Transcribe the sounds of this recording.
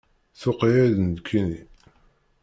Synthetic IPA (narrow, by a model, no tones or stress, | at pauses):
θʊqjæðənd̪kʰːini